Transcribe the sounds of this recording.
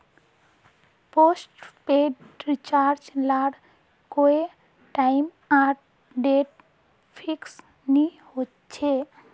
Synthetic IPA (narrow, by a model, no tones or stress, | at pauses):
posʈpeɖɾit͡ʃaɾd͡ʒlaɽ | koe | ʈaim | aɾ | ɖeʈ | pʰiks | nihot | t͡ʃʰe